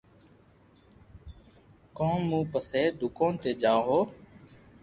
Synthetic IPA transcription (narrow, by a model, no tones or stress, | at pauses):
kõːnmũːpəseːd̪ʱʊkõːnt̪eːd͡ʒãːɦoː